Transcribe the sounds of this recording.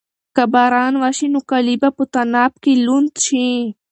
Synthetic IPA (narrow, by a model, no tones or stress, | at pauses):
kɐbaːɾaːnʋaʃinukɐlibaput̪ɐnaːp̚kilunt̪t͡ʃʰi